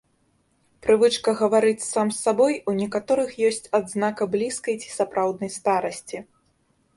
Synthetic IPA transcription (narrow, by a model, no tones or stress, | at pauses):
pɾɨvɨt͡ʂkɐɣɐvaɾɨt͡sʲsamsːabɔjunʲɛkat̪ɔɾɨxjɔsʲt͡sʲad̪znakɐblʲiskɐjt͡sʲi̥sapɾawd̪̚nɐjst̪aɾɐsʲt͡sʲi